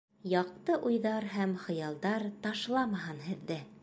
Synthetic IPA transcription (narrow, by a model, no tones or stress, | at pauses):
jɑq̚t̪ɤʔujðɑɾɦæmχɤ̆jɑlˠd̪ɑɾt̪ɑʃlˠɑmɑɦɤnɦɘ̆ðːɘ